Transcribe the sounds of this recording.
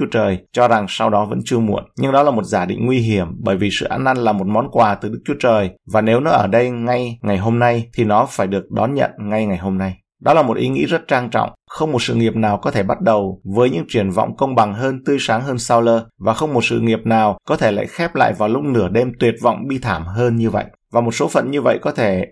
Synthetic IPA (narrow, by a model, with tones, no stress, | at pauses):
ət͡ɕəː˨˩jt͡ɕɔ˧za˨˩ŋsa˧wɗɔ˨˦və̰˧˥nt͡ɕɨ˧əmu˧˩ənɲɨ˧ŋɗɔ˨˦laː˨˩mo˨˩t̚zaː˧˩ɗḭ˧˨ŋ̟ŋwi˧ɦi˧˩əmɓəː˧˩jvi˨˩sɨ̰˧˨ʔaː˧nʔa˧nlaː˨˩mo˨˩t̚mɔ˨˦nkwaː˨˩t̪ɨ˨˩ɗɨ˦˥k̚t͡ɕu˨˦t͡ɕəː˨˩jvaː˨˩ne˨˦wnɔ˨˦ʔəː˧˩ɗə˧jŋa˧jŋa˨˩jɦo˧mna˧jt̪ʰi˨˩nɔ˨˦faː˧˩jɗɨ˨˩ək̚ɗɔ˨˦nɲə̰˧˨nŋa˧jŋa˨˩jɦo˧mna˧j | ɗɔ˨˦laː˨˩mo˨˩t̚ʔi˨˦ŋḭ˧˥zə˦˥t̚t͡ɕaː˧ŋt͡ɕɔ̰˧˨wŋ͡mxə˧wŋ͡mmo˨˩t̚sɨ̰˧˨ŋi˨˩əp̚naː˨˩wkɔ˨˦t̪ʰe˧˩ɓa˦˥t̚ɗə˨˩wvəː˨˦jɲɨ̰˧˥ŋt͡ɕwi˧˩ənvɔ̰˧˨wŋ͡mkə˧wŋ͡mɓa˨˩ŋɦəː˧nt̪ɨ˧əjsaː˨˦ŋɦəː˧nsaː˧wləː˧vaː˨˩xə˧wŋ͡mmo˨˩t̚sɨ̰˧˨ŋi˨˩əp̚naː˨˩wkɔ˨˦t̪ʰe˧˩la̰ː˧˨jxɛ˦˥p̚la̰ː˧˨jvaː˨˩wlʊ˦˥k͡p̚nɨ˧˩əɗe˧mt̪wi˨˩ət̚vɔ̰˧˨wŋ͡mɓi˧t̪ʰaː˧˩mɦəː˧nɲɨ˧və̰˧˨jʔvaː˨˩mo˨˩t̚so˨˦fə̰˨nɲɨ˧və̰˧˨jkɔ˨˦t̪ʰe˧˩